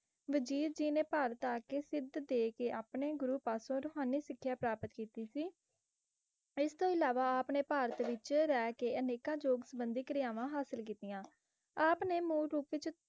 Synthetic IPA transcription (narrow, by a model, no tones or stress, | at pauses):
ʋəd͡ʒiːɾd͡ʒiːnẽːpaːɾət̪aːkeːsɪd̪d̪eːkeːʔaːpɳeːɡʊɾuːpaːsõːɾoːɦaːniːsɪkʰːjaːpɾaːpət̪kiːt̪iːsiː | ɪst̪õːɪlaːʋaːaːpneːpaːɾət̪ʋɪt͡ʃɾɛːkeːəneːkãːd͡ʒoːɡsəbənd̪iːkəɾɪjaːʋãːɦaːsəlkiːt̪ijãː | aːpneːmũːɾuːpʋɪt͡ʃ